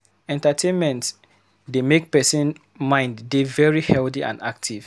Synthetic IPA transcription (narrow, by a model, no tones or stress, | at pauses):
ɛ̃ntatʰẽnmɛ̃nts | demek̚pɛsĩn | mãɪ̃nddevɛɹihɛlθiʔã̰nda̰k̚tʰiv̥